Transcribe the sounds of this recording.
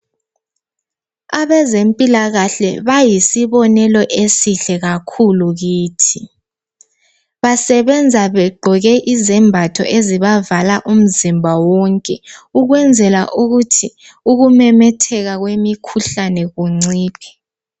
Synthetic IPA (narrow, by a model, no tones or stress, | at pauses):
aβɛzempʼilaɣaɬɛβajisiβɔnɛlɔʔesiɬɛɣakʰuluɣiːtʰi | βasɛβɛnd͡zʱaβɛɡ͡ǃʱɔɣɛʔizɛmbʱatʰɔ̰ʔeziβavalaʔum̩zimbʱawɔŋkʼɛuɣwɛnd͡zʱɛla̰ʔuɣutʰi | uɣumɛmɛtʰɛɣaɣwemikʰuɬanɛɣuŋ͡ǀiːpʰɛ̥